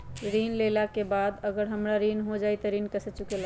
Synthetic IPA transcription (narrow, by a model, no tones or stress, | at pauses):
ɾinlelakebad̪əɡəɾɦəmɾaɾinɦod͡ʒajt̪əɾinkəsət͡ʃukela